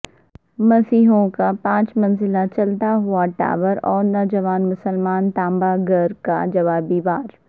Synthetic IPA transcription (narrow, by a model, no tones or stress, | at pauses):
mɐsiːɦõkapãːt͡ʃmɐ̃nzɪlat͡ʃɐlt̪aɦʊaʈa̰ːʋəɾɔːɾnɔːd͡ʒɐʋaːnmʊsəlmaːnt̪ãːmbaɡɐɾka̰d͡ʒɐʋaːbiːʋaːɾ